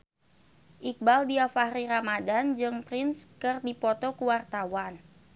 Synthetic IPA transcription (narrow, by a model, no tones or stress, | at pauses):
ʔik̚baldiafahɾiɾamadand͡ʒɨŋpɾinskɨrdipɔt̪ɔkuwart̪awan